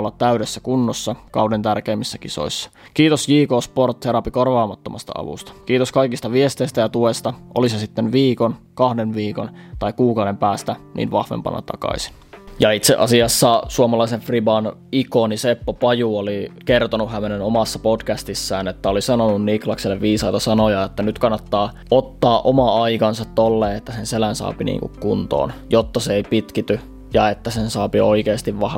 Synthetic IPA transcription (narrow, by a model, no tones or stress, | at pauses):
lːɑt̪t̪æyɾesːækunːosːɑkɑ̰udent̪ærkeːmːisːækiso̰isːɑ̥kiːt̪osjiːkoːsport̪ʰːeɾɑpikorʋɑːmɑt̪ːomɑ̰st̪ɑ̰ɑ̰ʋṵst̪ɑ̥kiːt̪oskɑikist̪ɑʋiest̪eist̪æjɑt̪uest̪ɑʔo̰lisesit̪ːenʋiːkonkɑhdenʋiːkont̪ɑikuːkɑwde̞mpæːst̪ænḭːnʋɑhʋḛmpɑ̰nːɑ̰t̪ɑ̰kɑ̰isi̥n | jɑit̪sḛʔɑ̰siɑsːɑsuomɑlɑiseɱfribɑnikonisepːopɑjuolikert̪onuhæmenenomɑsːɑpodkæst̪isːæːnet̪ːæolisɑnonunniklɑkselːeʋʋiːsɑit̪ɑsɑnojɑet̪ːænyt̪kɑnːɑt̪ːɑː | ot̪ːɑːʔomɑɑikɑnsɑt̪t̪olːeːet̪ːæsenselænsɑ̰ːpinḭːŋkṵkkunt̪o̰ːnjot̪ːɑseeipit̪kit̪y | jɑet̪ːæsensɑːpio̰ikeːst̪iʋʋɑh